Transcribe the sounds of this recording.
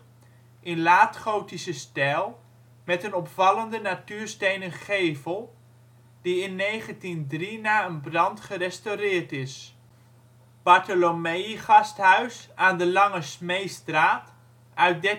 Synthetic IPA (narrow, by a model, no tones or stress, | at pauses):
ʔɪnlaːtχowtisəstɛlˠ | mɛtənɔpfɑləndənatyːɹstejnənχejvəlˠ | d̥iɪnːejχəntindrinaːənbrɑntχərɛstowrɪːɹtɪs | b̥ɑɹtolomejiχɑstɦœɥsaːndəlɑŋəsmejstraːt | ʔœɥt̚dɛ